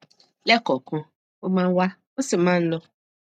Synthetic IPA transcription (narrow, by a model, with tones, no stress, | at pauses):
lɛ˦kɔ˨kɔ̃˦ | o˦mã˦wa˦ | o˦sɪ˨mã˦n̩˦lɔ˦